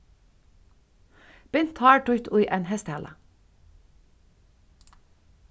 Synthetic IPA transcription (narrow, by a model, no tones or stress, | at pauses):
b̥ɪnt̪ʰhɑːʈʊʏt̪ʰʊjʔɛnhɛst̪hæːlə̰